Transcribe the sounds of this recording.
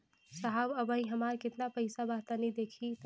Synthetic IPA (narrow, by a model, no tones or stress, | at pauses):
saɦabɐbəĩɦɐmaːɾkɪt̪napɐɪsabaːt̪anid̪eːkʰit̪